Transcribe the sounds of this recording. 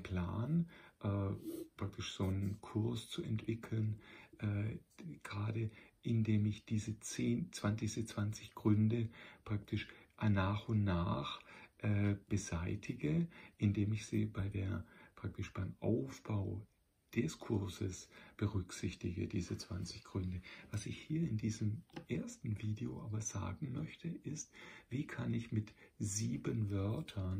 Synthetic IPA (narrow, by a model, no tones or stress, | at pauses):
pl̥aːnʔɛːpʁ̥ak̚tʰɪʃz̥oːnənkʰʊɐst͡suɛntv̥ɪkʰl̩nʔɛːɡ̥ʁaːdəʔɪndeːmɪçd̥iːzət͡seːnt͡sv̥ant͡sɪçsət͡sv̥ant͡sɪçɡ̥ʁʏndəpʁ̥ak̚tʰɪʃʔnaːχʊntnaːχʔɛːb̥əzaɪtʰɪɡəʔɪndeːmɪçz̥ḭːbaɪdeːɐpʁ̥ak̚tɪʃb̥aɪmʔa̰ʊfb̥aʊ | d̥ɛskʰʊɐzəsb̥əʁʏksɪçtɪɡə̰diːzət͡sv̥a̰nt͡sɪçɡ̥ʁʏndəvasɪçhiːɐɪndiːzəmʔeːɐstn̩viːdeo̰ʔaːbɐz̥a̰ːɡŋ̩mœçtʰəʔɪstv̥iːkʰanɪçmɪtziːbənvœɐtʰɐn